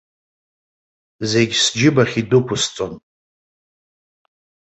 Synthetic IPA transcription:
ze̞ɡʲsd͡ʒɪbaχʲidukʷʰʊst͡sʷʼon

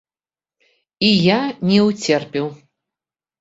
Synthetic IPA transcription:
ijanʲɛwt͡sʲɛrpʲɛw

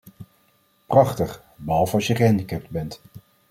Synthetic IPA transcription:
prɑχtəχ | bəɦɑlˠvəɑsjəχəɦɛndikɛp̚tbɛnt

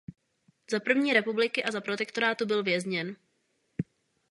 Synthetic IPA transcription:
zapr̩vɲiːɾɛpublɪkɪʔazapɾot̪ɛkt̪o̞ɾaːt̪ubɪlvjɛzɲɛn

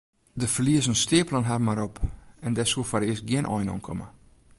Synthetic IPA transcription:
dəfəliəsənstɪəplanɦarmaɾopɛndɛsuəfaɾɪəsɡjɪənʔɔjnɔ̰nkʰɔ̰mə

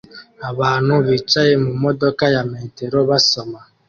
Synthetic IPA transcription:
aβaːnuβit͡ʃajemumodokajameːteɾoβasoma

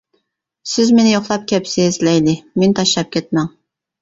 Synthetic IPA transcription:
sɪzmenɪjoχlˠɑp̚kʲʰɛpsɪːzlɛjd̪ɪment̪ʰɑʃlˠɑp̚kʲʰɛt̪̚mɛŋ

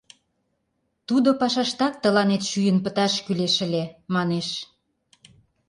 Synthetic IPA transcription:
t̪ud̪opɑʃɑʃt̪ɑk̚t̪ə̆lɑnet̪ʃyjənpət̪ɑʃkyleʃə̆lemɑneʃ

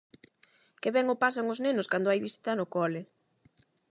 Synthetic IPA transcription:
keβɛŋʊpas̬aŋʊznenʊskand̪ʊajβisi̥t̪ɐnʊkɔlɪ

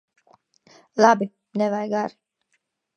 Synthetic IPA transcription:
labi | nɛvajɡaɾi

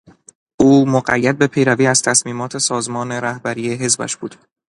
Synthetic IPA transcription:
ʔuːmoɢæ̰jːæd̪̚be̞pʰe̞jɾæviːæz̥t̪ʰæsmiːmɒːt̪ʰe̞sɒːzmɒːne̞ɾæhbæɾiːjeɦe̞zbæ̰ʃb̥uːd̪̥

